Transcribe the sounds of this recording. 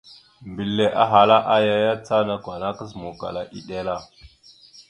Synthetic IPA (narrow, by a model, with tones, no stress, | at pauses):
mbi˨lːe˨ʔa̰˦ɦa˨la˦ʔa˦ja˦ja˦t͡sa˦na˦kwa˨na˦kə˦s̬mo˨ka̰˨la˦ʔi˦ɗe˦la˦˨